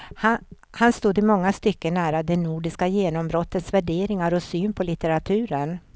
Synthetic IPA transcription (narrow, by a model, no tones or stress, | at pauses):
ha | hanst̪uːd̪ɪmɔŋːast̪ʏkːənæːɾad̪ɛnuːɖɪskajeːnɔmbɾɔt̪ʰːət̪svæɖeːɾɪŋaɾɔsyːnpʰɔlɪt̪əɾat̪ʰʉ̟ːɾən